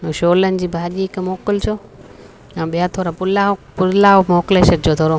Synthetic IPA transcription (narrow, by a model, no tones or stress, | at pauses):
ʃoːlənɪ̆d͡ʑiːbʱaːʄiɪkmoːkɪlt͡ɕʰoː | ãːɓijat̪ʰoːɾapʊlapʊlaːmoːkleʃəɾd͡ʑoːt̪ʰoːɾo